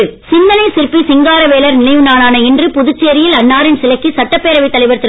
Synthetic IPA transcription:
sɪnd̪ɐnɐɪsɪɾpːisɪŋɡaːɾɐʋeːlɐɾnɪlɐjɯnaːnaːnɐɛndrɯpʊðʊt͡ʃːejɾɪjɪlɐɳːaːɾɪnsɪlɐkːisɐʈːɐpːeːɾɐʋɐɪt̪ːɐlɐɪʋɐɾt̪ːɪɾ

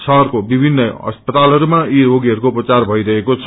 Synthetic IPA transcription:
sʰʌɦʌrkobibʱinːʌʌ̰spʌt̪alɦʌɾumaiɾoɡiɦʌɾukouprʌt͡sarbʱʌjɾʌɦekot͡sʰʌ

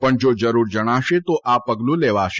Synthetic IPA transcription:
pəɳd͡ʒod͡ʒəɾuɾd͡ʒəɽ̃aʃet̪oʔapəɡlũleʋaʃe

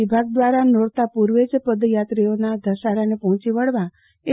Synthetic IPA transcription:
ibʱaɡ̚d̪ʋaɾanoɽt̪apuɾʋed͡ʒpəd̪jat̪ɾionad̪ʱəʃaɾanepɔɦɔ̃t͡ʃiʋəɽʋa | e

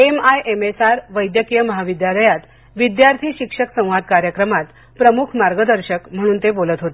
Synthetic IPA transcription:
emajʔemesaɾʋəjd̪jəkijəməɦaʋid̪jaləjat̪ | ʋid̪jaɾt̪ʰiːɕikʂəksə̃w̃ʋad̪̚kaɾjəkɾəmat̪ | pɾəmukʰmaɾɡəd̪əɾɕəkm̤əɽ̃uːnt̪ebolət̪ɦot̪e

